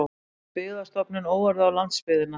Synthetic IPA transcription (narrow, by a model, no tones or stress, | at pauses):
pɪːðast̪ɔpnɪnoːwvaɾðʏawlant̪spɪðɪnːa